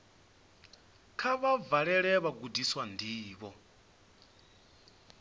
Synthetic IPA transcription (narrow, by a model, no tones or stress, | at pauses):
kʰaβavaɺɛɺɛβaɡudiswandʱiːβɔ